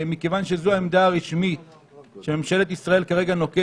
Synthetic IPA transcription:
mike̞vanʃe̞zuaemd̪aːʁiʃmit̪ | ʃememʃe̞le̞t̪isʁae̞lkaʁe̞ɡano̞ke

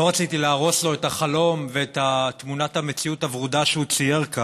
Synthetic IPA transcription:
loʁat͡sitileaːʁo̞slo̞etaχalo̞mveet̪at̪munathamet͡siutavʁud̪aʃeut͡sijeʁka

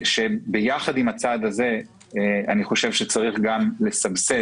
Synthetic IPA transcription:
ʃe̞bejaχad̪imat͡sad̪aze̞ | aniχo̞ʃevʃe̞t͡saʁiχɡamle̞sabse

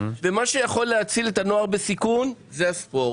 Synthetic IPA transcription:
ve̞maʃe̞jaχo̞lːeat͡silet̪ano̞aʁbesikunzeaspo̞

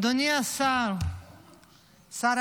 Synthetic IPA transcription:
d̪ʱunijasa | saɾ

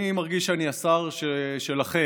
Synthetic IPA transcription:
nimaʁɡiʃaniasaʁʃeʃelaχe

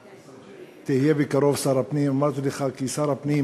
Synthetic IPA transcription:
t̪eɦjebikɐɾoːfsɐɾɐpniːmɐt̪lɪxaːkisɐɾɐpniː

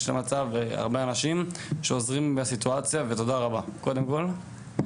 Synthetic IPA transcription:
ʃlemat͡sava̰ʁbeanaʃimʃeozʁimbesit̪uat͡sjaveto̞daʁabako̞d̪e̞mko̞l

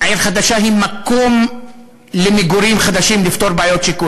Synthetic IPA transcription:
aeɾχad̪aʃaɦimako̞m | lemeɡuɾimχad̪aʃimlift̪o̞ɾbeaːjot̪ʃiku

